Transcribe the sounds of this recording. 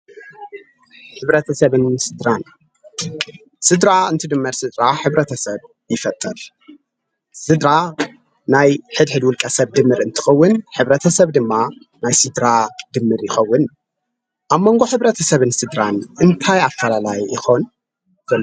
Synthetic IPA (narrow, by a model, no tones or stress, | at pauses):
ħɨβɾɐt̪ʰɐsɐβɨnsɨd̪ɾan | sɨd̪ɾaɨnt̪ʰɨd̪ɨmːɨɾsɨd̪ɾaħɨβɾɐt̪ʰɐsɐβ | jɪfɐt̪ʼːɨɾ | sɨd̪ɾa | najħɨd̪ħɨd̪wʊlkʼɐsɐβd̪ɨmːɨɾɨnt̪ʰɨ̥xɐwːʊnħɨβɾɐt̪ʰɐsɐβd̪ɨmːa | najsɨd̪ɾad̪̥ɨmːɨɾjɪxɐwːʊn | ʔaβmːo̞ŋɡo̞ħɨβɾɐt̪ʰɐsɐβɨnsɨd̪ɾanʔɨnt̪ʰajafɐlalajɪ̰xo̞n | z̥ɐl